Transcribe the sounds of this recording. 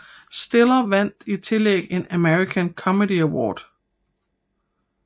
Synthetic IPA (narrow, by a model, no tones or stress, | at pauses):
sd̥e̝lɐʋæn̰d̥it͡sʰe̝leɡ̥e̝næmeʁikʰænkʰɒ̽med̥iæwɒ̰ːd̥